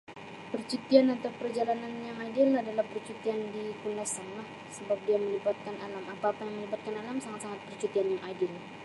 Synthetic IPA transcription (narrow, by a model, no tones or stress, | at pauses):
pərt͡ʃut̪ianat̪awpərd͡ʒalananjaŋadɪladalahpərt͡ʃut̪iandikundasamlah | səbap̚diaməlibat̪̚kanalamapaːpajaŋməlibat̪̚kanalamsaŋat̪̚saŋat̪̚pərt͡ʃut̪ianjaŋʔadɪl